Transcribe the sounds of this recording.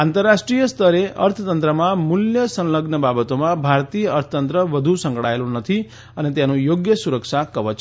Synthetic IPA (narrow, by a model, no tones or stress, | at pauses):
ãnt̪əɾːaʃʈɾijəst̪ʰəɾeə̰ɾt̪ʰət̪ənt̪ɾəmãmuljəsə̃nləɡnəbabət̪omãbʱaɾt̪ijəəɾt̪ʰət̪ənt̪ɾəʋəd̪ʱusə̃ŋkɽaelũnət̪ʰi | ənet̪janũjoɡjəsuɾəkʃakəʋət͡ʃ